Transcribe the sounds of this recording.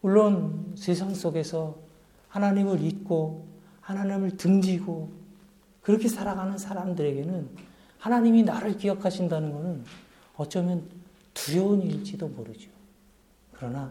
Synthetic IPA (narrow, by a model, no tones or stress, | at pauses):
muɭːonsʰe̞sʰaŋs͈oɡe̞sʰʌ | hanaɲimɯɾit̚k͈o | hanaɲimɯɭtɯŋd͡ʑiɡo | kɯɾʌkʰe̞sʰaɾaɡanɯnsʰaɾamdɯɾe̞ɡe̞nɯn | hanaɲiminaɾɯɭkijʌkʰaɕʰindanɯnɡʌnɯn | ʌt͡ɕ͈ʌmjʌn | tuɾjʌuniɭt͡ɕ͈idomoɾɯd͡ʑo | kɯɾʌna